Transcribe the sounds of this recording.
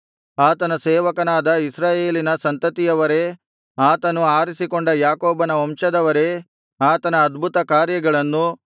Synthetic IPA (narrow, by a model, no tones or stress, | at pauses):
aːt̪ɐnɐseːʋɐkɐnaːd̪ɐisɾaːjeːlinɐsɐnt̪ɐt̪ijɐʋɐɾe̞ | aːt̪ɐnuaːɾisiko̞ɳɖɐjaːkoːbɐnɐʋɐmʃɐd̪ɐʋɐɾe̞ | aːt̪ɐnɐːd̪bʱut̪ɐkaːɾjɐɡɐɭɐnːu